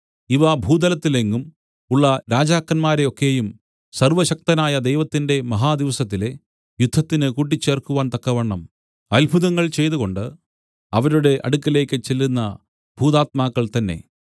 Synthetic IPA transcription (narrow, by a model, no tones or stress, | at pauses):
iʋɐbʱuːd̪ɐlɐt̪ːileŋːum | uɭːɐɾaːd͡ʑaːkːɐnmaːɾe̞o̞kːe̞jum | sɐrʋɐɕɐk̚t̪ɐnaːjɐd̪ejʋɐt̪ːinde̞mɐɦaːd̪iʋɐsɐt̪ːile̞ | jud̪ʱːɐt̪ːinɨkuːʈ̬ːit͡ɕːe̞ːrkuʋaːnt̪ɐkːɐʋɐɳːɐm | ɐlbʱuðɐŋːɐɭt͡ɕe̞jt̪uɣo̞ɳɖɨ | ɐʋɐɾuɽe̞ʔɐɽukːɐle̞ːkːɨt͡ɕelːunːɐ | bʱuːd̪aːt̪̚maːkːɐɭt̪ɐnːe̞̰